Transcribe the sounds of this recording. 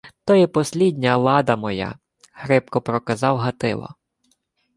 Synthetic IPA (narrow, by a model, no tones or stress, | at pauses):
t̪ɔjɛpɔsʲlʲid̪ʲnʲɐlˠɑd̪ɐmɔja̰ | hɾɪpkɔpɾɔkɐzɑwɦɐt̪ɪ̰lˠɔ̰